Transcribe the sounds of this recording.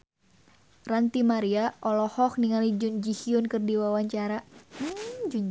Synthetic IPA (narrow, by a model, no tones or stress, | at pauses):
rant̪imaɾiaʔɔlɔhɔkniŋalid͡ʒund͡ʒihiʊnkɨrdiwawaɲt͡ʃaɾa